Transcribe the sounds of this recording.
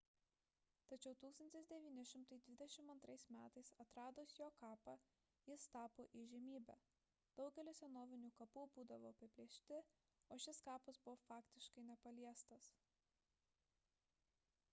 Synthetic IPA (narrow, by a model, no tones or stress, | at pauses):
t̪ɐt͡ʃʲɛʊt̪uːkst̪ɐnʲt̪ʲɪsd̪ʲɛʋʲiːnʲɪʃʲɪmt̪ɐɪd̪ʲʋʲɪd̪ʲɛʃʲɪmɐnt̪ɾɐɪsmʲæːt̪ɐɪsɐt̪ɾɑːd̪oːsjoːkɑːpɐ | jɪst̪ɑːpoːʔiʒʲɛmʲiːbʲæ̰ː | d̪̥ɒʊɡʲɛlʲɪsʲɛnoːʋʲɪnʲuːkɐpubuːd̪ɐʋoːɐpʲɪbʲlʲiɛʃʲt̪ʲɪ | oːʃʲɪskɑːpɐsbʊʋofɑːkt̪ʲɪʃkɐɪnʲɛpɐlʲiɛst̪ɐs